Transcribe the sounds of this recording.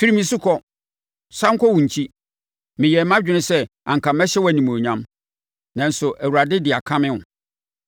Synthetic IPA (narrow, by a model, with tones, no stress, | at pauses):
fi˦ɾi˦mĩ˨sʊ˦kʰɔ˦ | sa˦ŋ̩˦kʰɔ˦wũ˨ɲ̩˨t͡ɕʰi˦ | mɪ̃˨jɛ˨˦mã˦d͡ʑᶣɪ˦nʊ̃˦sɛ˦ | ã̰˨ŋ̩kʰã˨mɛ˦ɕɛ˦wɔ˦æ˨nĩ˨m˨o˨ɲã˦m | nã˨n̩˨˦sʊ˨ʔæ˨wu˨ɾa˨dɪ˦dɪ˨a˨kʰã˦mɪ̃˦ʊ˨